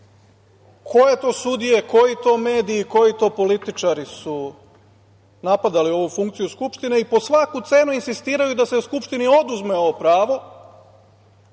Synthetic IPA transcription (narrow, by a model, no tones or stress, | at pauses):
kʰo̞je̞t̪o̞ːsud̪ije̞ko̞jit̪o̞ːme̞ːd̪iːko̞jit̪o̞ːpo̞lit̪it͡ʃaɾisu | napad̪alio̞ʋufuŋkt̪sijuskupʃt̪ine̞ipo̞sʋakut̪se̞nuinsist̪iːɾajud̪aseuskupʃt̪inio̞d̪uzmeo̞ʋopɾaːʋo̞